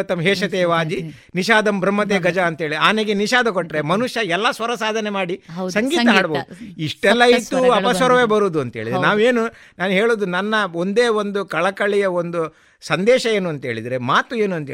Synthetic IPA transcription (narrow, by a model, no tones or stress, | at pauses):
t̪ɐmɦeːʃɐt̪eːʋaːd͡ʒ̪i | niʃaːd̪ɐmbʱɾɐmːɐt̪eːɡɐd͡ʒɐːnt̪ɐeːɭiaːneɡeniʃaːd̪ʱɐkoʈːɾemɐnuʃjɐɛlːɐsʋɐɾɐsaːd̪ʱɐnemaːɽisɐŋɡiːt̪ɐɦaːɽboːd̪uiʂʈɛlːɐit̪ːuɐpɐsʋɐɾɐʋeːbɐɾuːd̪uɐnt̪ɦeːɭid̪ɾnaːʋeːnu | naːnuɦeːɭoːd̪unɐnːɐo̞nd̪eːond̪ukɐɭɐkɐɭijɐond̪u | sɐnd̪ɛːʃɐe̞ːnuɐnt̪ɐeːɭid̪ɾemaːt̪ueːnuɐnt̪ɐe